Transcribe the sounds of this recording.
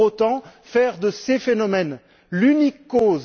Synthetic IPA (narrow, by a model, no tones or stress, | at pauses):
ot̪ɑ̃fɛʁd̪əsefenɔmɛn | lynikːoz